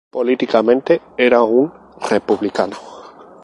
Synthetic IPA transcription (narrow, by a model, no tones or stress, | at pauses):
polit̪ikamẽnt̪e | eɾauŋ | repuβlikano